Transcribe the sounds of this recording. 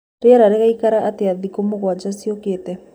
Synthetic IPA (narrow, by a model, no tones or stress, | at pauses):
ɾeaɾaɾeɣaikaɾaʔːteaðikomoɣwad͡ʒasioketɛ